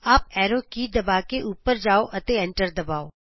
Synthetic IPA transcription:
aːp̚ɛːɾoːkiːd̪ɐbaːkeʔuːpːəɾd͡ʒaːoʔɐt̪eɛ̃ɳʈəɾd̪ɐbaːoː

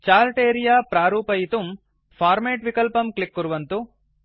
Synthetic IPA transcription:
t͡ʃaːlʈeːɾijaːpɾaːɾuːpɐjit̪um | pʰaːɾmeːʈʋikɐlpɐmklikːuɾuʋɐnt̪u

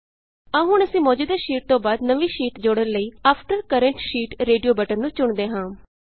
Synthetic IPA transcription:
aːɦʊɳəsĩːmɔːd͡ʒuːd̪eːʃiːʈ̚t̪õːbaːd̪nəʋiːʃiːʈd͡ʒoːɽənləiːaːpʰʈəɾkəɾəɳʈʃiːʈɾeːɖijoːbəʈəɾnũːt͡ʃʊɳd̪eːɦãː

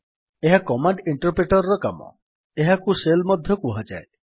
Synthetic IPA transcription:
eɦakɔmaɳɖiɳʈɔɾpɾeʈɔɾɔɾɔka̰mɔ̰ | eɦakuselmɔd̪ʱjɔkuɦad͡ʒa̰e

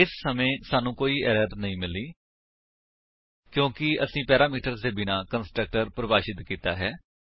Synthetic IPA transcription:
ɪsːəmẽːsaːnũːkoːiːɛːɾəɾt̪nəĩːmɪliː | kjõːkɪəsĩːpɛːɾaːmiːʈəɾseːbɪnaːkənsʈɾək̚ʈəɾpɾəbaːʃɪt̪kiːt̪a̰ːɦɛː

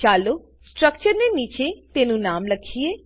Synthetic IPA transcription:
t͡ʃaːlo | sʈɾəkt͡ʃəɾneniːt͡ʃet̪enũnaːmləkʰie

